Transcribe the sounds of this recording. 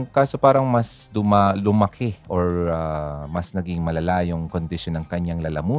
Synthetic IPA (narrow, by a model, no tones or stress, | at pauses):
ŋkaːso̞paːɾɐŋmɐsd̪ʊmalʊmɐkʰɪʔoɹamɐsnɐɡɪŋmɐlɐlaːjoŋko̞nd̪ɪʃonːɐŋkɐɲːaŋlɐlɐmuː